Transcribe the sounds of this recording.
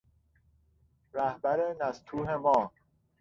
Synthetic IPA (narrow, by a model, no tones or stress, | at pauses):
ɾæhbæɾenæst̪ʰuːɦemɒː